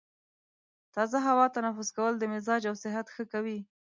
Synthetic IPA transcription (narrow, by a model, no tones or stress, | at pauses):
t̪ɑzaɦawɑt̪anafʊzkawəld̪əmɪzɑd͡ʒawsɪɦat̪xəkawi